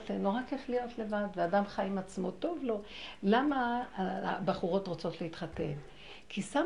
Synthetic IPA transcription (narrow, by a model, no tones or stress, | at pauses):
feloʁakeflijo̞tle̞vadveadamχajimat͡smo̞to̞vlo̞lama | baχuʁo̞tʁot͡so̞t̪leitχate̞n | kʰisa